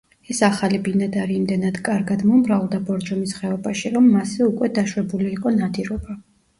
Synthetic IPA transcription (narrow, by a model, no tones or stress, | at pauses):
ɛsaχalibinad̪aɾiːmd̪ɛnad̪kʼaɾɡad̪mɔmɾavlˠd̪abɔɾd͡ʒɔmisχɛɔbaʃiɾɔmːasɛukʼwɛd̪aʃwɛbuliːqʼɔnad̪iɾɔba